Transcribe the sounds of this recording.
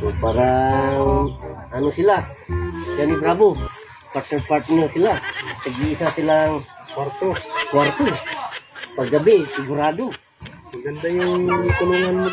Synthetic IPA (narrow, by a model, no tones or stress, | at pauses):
tupaɾa | anusilahd͡ʒanibɾabu | pat̪əpart̪nəsilahtəɡiːsasilaŋ | wart̪uwart̪u | paɡabesuɡuɾadu | ɡandajŋŋkuluŋan